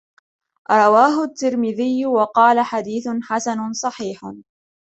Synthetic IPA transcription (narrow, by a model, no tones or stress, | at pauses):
ɾˤɑwaːɦʊt̪ːɪɾmɪðɪjːwɑqɑːlaħad̪iːθʊħasanʊsˤɑħiːħ